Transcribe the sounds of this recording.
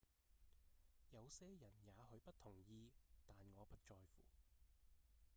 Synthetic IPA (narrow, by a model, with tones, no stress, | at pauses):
jɐ˨˧wsɛː˥jɐ˨˩njaː˨˧hɵ˨˧ɥpɐ˥t̚t̪ʰʊ˨˩ŋjiː˧t̪aː˨nŋɔː˨˧pɐ˥t̚t͡ʃɔː˧jfṵː˨˩